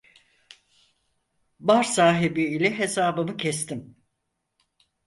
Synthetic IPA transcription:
baɾsaːɦibiːlʲɛɦesaːbɯmɯcʰɛst̪ʰim

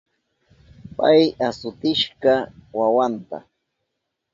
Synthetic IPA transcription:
pajasʊt̪ɪʃɢɑwawant̪a̰

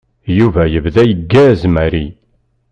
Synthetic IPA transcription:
juvæjəvðæjəɡːæzmæɾi

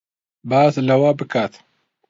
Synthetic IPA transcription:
baːslɐwaːbɨkʰaːt̪

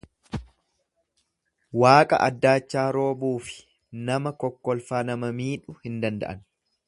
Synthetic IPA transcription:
waːkʼɐ̰ʔɐd̪ːaːt͡ʃːaːɾo̞ːbuːfɪ̥ | nɐmɐkɔkːɔlfaːnɐmɐmiːᶑʊhɪnd̪ɐnd̪ɐ̰ʔɐn

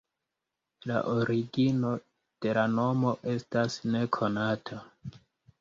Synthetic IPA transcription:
la̰ʔoɾiɡino̞ | d̥e̞lano̞mo̞ʔe̞stasne̞kʰo̞natʰa

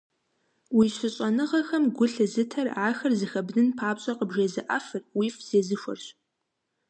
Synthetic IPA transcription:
wiɕʷʊɕʼɐnɨʁɐxɐmɡʷʊɬɨzɨtʰɐrʕaːxɐrzɨxɐbdɨnpʰaːpɕʼɐqəbʒezɨʔɐ̰fɨrwifz̥eːzɨʃʷɔ̰rɕ

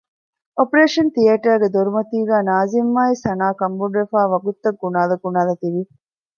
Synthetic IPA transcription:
ʔopɐɾeːʂɐnt̪ijɐʈɐɾɡed̪oɾumɐt̪iːɡæːnaːzimːaːisɐnaːkɐmbuɖɾefaːʋɐɡut̪ːɐɡːunaːlɐɡunaːlɐt̪iʋi

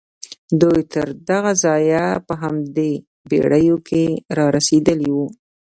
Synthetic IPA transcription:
d̪ujt̪əɾd̪aɣazɑjapəɦamd̪e | bḛɽəjokʰeɾɑɾased̪əliwu

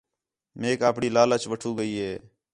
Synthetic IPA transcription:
meːkaːpɽiːlaːlət͡ʃʋəʈʰuːɡəiːɦeː

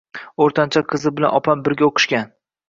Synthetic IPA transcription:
oɾt̪ʰant͡ʃʰaqʰɨzɪbɪla̰nɒpʰambɪɾɡʲaoqʰɨ̥ʃkʲan

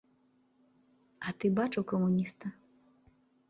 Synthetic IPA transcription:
ɐt̪ɨbat͡ʂɨwkɐmunʲist̪ɐ

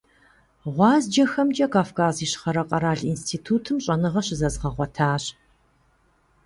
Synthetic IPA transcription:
ʁʷɑːzd͡ʒɐxɐmt͡ʃʼɐkʰaːfkʰaːziːɕχɐɾɐqʼɐɾaːɮinstʰiːtʰuːtʰɨmɕʼɐnɨʁɐɕɪzɐzʁɐʁʷɔtʰaːɕ

